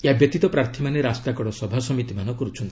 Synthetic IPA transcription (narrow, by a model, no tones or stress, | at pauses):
jabjɔt̪it̪ɔpɾaɾt̪ʰimaneɾast̪akɔɽɔsɔbʱasɔmit̪imanɔkɔɾut͡ʃʰɔnt̪i̥